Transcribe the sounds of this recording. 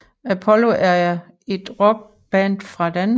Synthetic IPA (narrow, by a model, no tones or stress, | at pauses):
æpʰɒ̽lo̝ʔæɐ | e̝d̥ʁɔɡ̥̚ | b̥ænd̥fʁɑ̈d̥æn